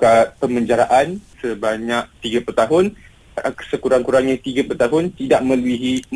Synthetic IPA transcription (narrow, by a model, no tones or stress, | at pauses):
katpəməɲd͡ʒaɾaʔansəbaɲãk̚t̪iɡəpurt̪aɦʊn | səkuɾaŋkuɾaŋɲãt̪iɡəput̪aɦʊnt̪idaʔ̚mə̃luiɦi